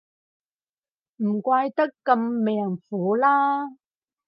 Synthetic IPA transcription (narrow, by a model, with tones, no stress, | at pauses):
m̩˨˩kʷaː˧jt̪ɐ˥kːɐ˧mːɛː˨˩ŋfuː˨˦laː˥